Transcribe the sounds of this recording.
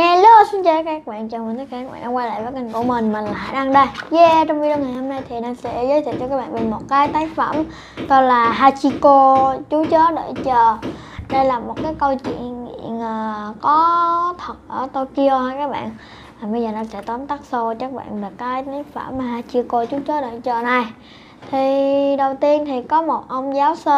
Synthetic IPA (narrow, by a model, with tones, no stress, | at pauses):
ŋɛ˧l̚a˨˧˦su˨˦t͡ɕə˧kaː˦˥kaː˦˥k̚ɓa̰ː˧˨nt͡ɕɔ˧˩m˨˩nt̪ʰːka˧kaː˦˥ɓa̰ː˧˨nɗaː˧kwaː˧la̰ː˧˨jvəː˨˦jka˨˩ŋ̟ku˧˩əmï˨˩ŋ̟mï˨˩ŋ̟la˨aː˧˩˦jɗa˧ŋɗə˧jzɛ˧t͡ɕɔ˧wŋ͡mvi˧ɗə˧nŋaː˨˩jho˧mna˧jt̪ʰi˨˩ɗa˨˧˩sɛ̰˧˥zəː˨˦jt̪ʰḭ˧˨t͡ɕɔ˧ka˦˥ɓa̰ː˧˨nve˨˩mo˨˩t̚kaː˨˦jt̪aː˨˦jfə˧˩m | t̪o˧laː˨˩ɦaː˧t͡ɕi˧ko˧t͡ɕu˨˦t͡ɕɔ˨˦ɗe˧˩t͡ɕəː˨˩ | ɗə˧jlaː˨˩mo˨˩t̚kaː˨˦jkə˧wt͡ɕwḭ˧˨ənŋḭ˧˨ənʔəː˨˩kɔ˨˦t̪ʰə˨˩t̚ʔəː˧˩t̪o˧ki˧o˧həː˧jkaː˦˥k̚ɓa̰ː˧˨n | vaː˨˩ɓə˧jzəː˨˩nɔ˧˩sɛ̰˧˥t̪a˨˦nt̪aː˦˥k̚so˧t͡ɕa˦˥k̚ɓa̰ː˧˨nva˨˩kaː˨˦jt̪aː˨˦jfə˧˩mːaː˨˩ɦaː˧t͡ɕi˧ko˧t͡ɕu˨˦t͡ɕəː˨˦˥ɗə˧˩jt͡ɕəː˨˩na˨˩j | t̪ʰi˨˩ɗə˨˩wt̪i˧ənt̪ʰi˨˩kɔ˨˦mo˨˩t̚ʔə˧wŋ͡mzaː˨˦wsəː˧